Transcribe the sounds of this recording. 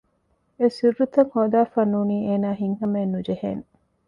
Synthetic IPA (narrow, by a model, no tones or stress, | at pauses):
esirːut̪ɐŋhod̪aːfɐnːuniːeːnaːɦiŋhɐmeːnːud͡ʒehḛŋ